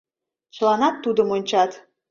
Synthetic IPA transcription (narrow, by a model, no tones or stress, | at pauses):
t͡ɕlˠɑnɑt̪ːud̪ə̆monʲt͡ɕɑt̪